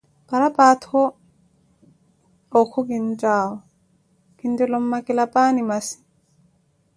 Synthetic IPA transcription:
paɾapaːthɔ | ɔkʰːuɡind͡ʒaːwɔ | kindɛlɔmːakilapaːnimasi̥

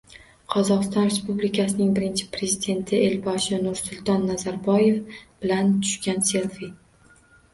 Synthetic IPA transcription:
qʰɒzɒqɨst̪ɒnɾe̞spublikʲʰasɪnɪŋbɪɾɪnt͡ʃʰɪ̥pʰɾe̞zid̪e̞nt̪ʰɪe̞lbɒʃɪnʊɾsʊlˠt̪ʰɒnːazaɾbɒje̞fb̥ɪlant̪ʰʊ̥ʃkʲanse̞lvi

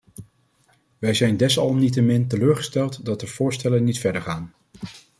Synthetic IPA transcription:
ʋɛjzɛjndɛsɑlˠmnit̬əmɪntəløːɹχə̥stɛlˠtdɑt̚dəv̥ʊːɹstɛlənitfɛɹdəɹχaːn

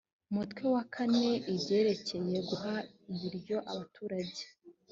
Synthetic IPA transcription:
umutkwe̞wakʰane̞iɾɟe̞ːɾece̞je̞ɡuɦa | iβiɾɟo̞ʔaβatʰuːɾaɟɟe

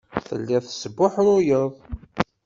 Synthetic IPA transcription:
θə̰lːiθəsəbːʊħɾʊjəðˤ

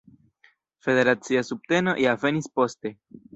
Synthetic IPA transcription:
fe̞ðe̞ɾat͡siasup̚t̪eno̰ʔjave̞nispo̞st̪e

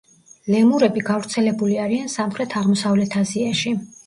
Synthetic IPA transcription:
lɛmuɾɛbiɡavɾt̪sʰɛlɛbuliaɾiansamχɾɛt̪ʰaʁmɔsavlɛt̪ʰaziaʃi

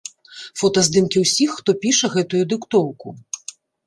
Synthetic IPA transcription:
fɔt̪ɐzd̪ɨmkʲiwsʲixːt̪ɔpʲiʂɐɣɛt̪ujud̪ɨkt̪ɔwku

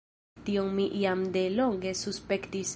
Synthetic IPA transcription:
t̪ioŋmiʔiamd̪eloŋɡesuspekt̪is

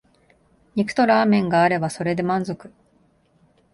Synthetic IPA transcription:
ɲikɯ̟̥t̪o̞ɾaːmẽ̞ŋɡaːɾe̞baso̞ɾe̞d̪e̞mãnzo̞kɯ̟

